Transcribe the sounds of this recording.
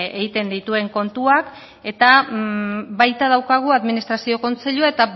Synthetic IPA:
eɣit̪e̞nd̪it̪ue̞ŋko̞nt̪uak | e̞t̪a | βajt̪að̞awkaɣ̞uaðminist̪ɾasio̞ko̞nt͡se̞ʎuaet̪a

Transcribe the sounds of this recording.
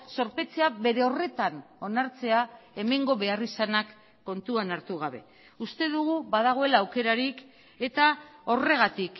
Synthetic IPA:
so̞ɾpe̞t͡se̞aβe̞ɾe̞o̞re̞t̪ano̞naɾt͡se̞ae̞me̞ŋɡo̞βe̞arisanakː | o̞nt̪uanaɾt̪uɣ̞aβ̞e̞ | ust̪e̞ðuɣ̞uβað̞aɣ̞o̞e̞laːwke̞ɾaɾik | e̞t̪ao̞re̞ɣat̪ik

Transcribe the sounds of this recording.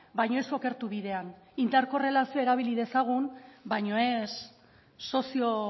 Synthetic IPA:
bajɲo̞e̞so̞ke̞ɾt̪uβiðe̞an | ind̪aɾko̞re̞lasioe̞ɾaβ̞iliðe̞saɣ̞unbajɲo̞e̞sː | o̞sio̞

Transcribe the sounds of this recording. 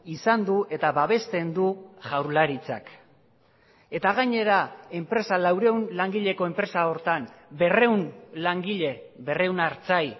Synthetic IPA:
isand̪uʔe̞t̪aβaβe̞st̪e̞nd̪uʝawɾlaɾit͡sa̰k | e̞t̪aɣ̞aɲe̞ɾae̞mpɾe̞salawɾe̞wnlaŋɡiʎe̞ko̞e̞mpɾe̞sao̞ɾt̪ambe̞re̞wnlaŋɡiʎe̞βe̞re̞wnaɾt͡saj

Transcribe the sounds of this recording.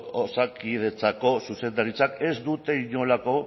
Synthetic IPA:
osakið̞e̞t͡sako̞suse̞nd̪aɾit͡sake̞zd̪ut̪e̞iɲo̞lako̞

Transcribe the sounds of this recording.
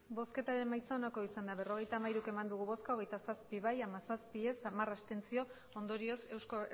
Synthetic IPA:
bo̞ske̞t̪aɾe̞majt͡sao̞nako̞isand̪aβe̞ro̞ɣ̞e̞jt̪aːmajɾuke̞mand̪uɣ̞uβo̞skao̞ɣ̞e̞jt̪asaspiβajamasaspie̞samarast̪e̞nt͡sio̞ | ond̪o̞ɾio̞se̞wsko

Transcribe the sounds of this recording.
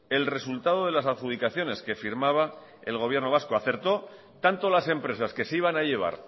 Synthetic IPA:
e̞lre̞sult̪að̞o̞ð̞e̞lasaðxuðikaθjo̞ne̞ske̞fiɾmaβa | e̞lɣo̞βje̞ɾno̞βasko̞aθe̞ɾt̪o̞ | t̪ant̪olase̞mpɾe̞saske̞seiβ̞anaʎe̞β̞a̰ɾ

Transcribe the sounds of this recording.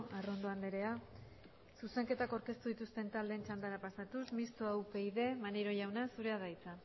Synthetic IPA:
aro̞nd̪o̞and̪e̞ɾe̞a | suse̞ŋke̞t̪akaɾke̞st̪uðit̪ust̪e̞nt̪ald̪e̞nt͡ʃand̪aɾapasat̪usmist̪oawpe̞iðe̞maneɾo̞ʝawnasuɾe̞aðajt͡sa

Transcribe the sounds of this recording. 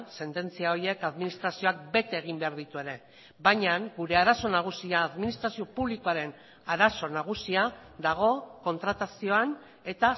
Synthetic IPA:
se̞nt̪e̞nt͡siao̞ɾie̞kaðminist̪ɾasio̞ak̚be̞t̪e̞ːɣ̞imbe̞aɾðit̪ue̞ɾe̞ | bajɲaŋɡuɾe̞aɾaso̞naɣ̞usiaːðminist̪ɾasio̞puβliko̞aɾe̞n | aɾaso̞naɣ̞usiad̪aɣ̞o̞ko̞nt̪ɾat̪asio̞an | e̞t̪a

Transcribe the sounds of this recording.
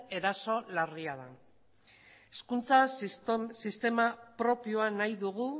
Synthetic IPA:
e̞ɾaso̞lariað̞a̰ | e̞skunt͡sa | sist̪e̞mapɾo̞pioanajðuɣu

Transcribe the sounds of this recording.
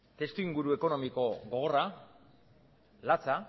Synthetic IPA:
t̪e̞st̪uiŋɡuɾue̞ko̞no̞miko̞ɡo̞ɣo̞ra | lat͡sa

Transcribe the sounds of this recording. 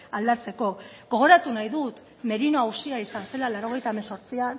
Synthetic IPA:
ald̪at͡se̞ko̞ | ɣo̞ɣ̞o̞ɾat̪unajðut̪ | me̞ɾino̞awsiaisanse̞lalaɾo̞ɣ̞e̞jt̪aemeso̞ɾt͡sian

